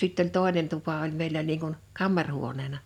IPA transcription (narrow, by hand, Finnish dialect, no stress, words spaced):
sitː olʲ toˑenen tupɑ olʲ meˑilːæ niːŋ kun kɑmːɑrhuoneːnɑ